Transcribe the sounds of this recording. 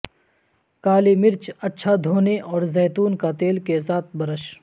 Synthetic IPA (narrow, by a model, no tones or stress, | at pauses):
kaːlimɪɾt͡ʃɐtːʃʰad̪ʱoːneʔɔːɾzɛːt̪uːnkat̪eːlkesaːt̪ʰbɐɾəʃ